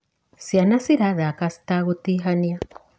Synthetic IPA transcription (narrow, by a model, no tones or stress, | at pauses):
sianasiɾaðakast̪aɣut̪iɦania